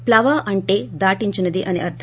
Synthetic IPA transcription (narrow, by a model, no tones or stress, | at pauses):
plaʋaʔɐɳʈed̪aʈiɲt͡ɕunəd̪iʔɐniɐɾt̪ʰ